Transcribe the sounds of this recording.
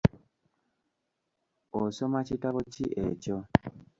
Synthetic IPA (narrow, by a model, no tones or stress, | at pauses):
osomacitaβociʔeco